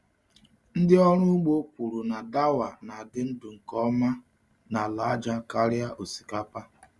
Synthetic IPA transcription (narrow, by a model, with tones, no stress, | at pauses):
n̩˦dɪ˦ɔ˦ɾ̃ʊ˦u˦ɡ͡bo˦kʷu˨ɾu˨na˨da˦wa˨na˨a˨dɪ˦n̩˦dʊ˨ŋ̩˨kɔ˦ma˦ | na˨la˨˦a˦d͡ʒa˦ka˦ɾja˦ʔo˨si̥˨ka˦pa˦